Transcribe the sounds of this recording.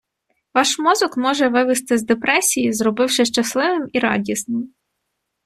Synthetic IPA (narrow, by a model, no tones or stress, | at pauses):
ʋɑʃmɔzɔkmɔʒɛʋɪʋɪst̪ɪzd̪epɾɛsʲijizɾɔbɪwʃɪʃt͡ʃɐslˠɪʋɪmiɾɑ̰dʲisnɪm